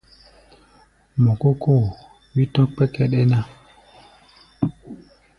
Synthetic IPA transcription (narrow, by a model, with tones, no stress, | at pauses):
mɔ̃˨ko˦kʰo˦˨ | wi˦tɔ̃˦k͡pɛ˦kɛ˦ɗe˦nã˦